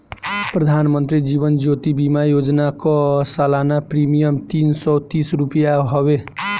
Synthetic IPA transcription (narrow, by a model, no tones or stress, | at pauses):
prʌd̪ʱanmʌnt̪ɾid͡ziβʌnd͡ʒot̪ibimajod͡znakosalanapɾimijʌmt̪insʌt̪isɾupjaɦʌbe